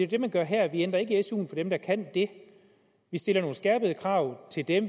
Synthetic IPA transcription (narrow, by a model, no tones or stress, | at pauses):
e̝d̥e̝mænɡ̥ɶɐɦæɐ̰ʋien̰d̥ʁɐe̝ɡ̥əesṵːn̩fɒ̽d̥emd̥ɑ̈kʰæn̰d̥e̝ | ʋisd̥e̝lɐno̝ːn̩sɡ̥æɐ̰b̥əð̩ˠəkʰʁɑ̈ʊ̰t͡sʰe̝ld̥em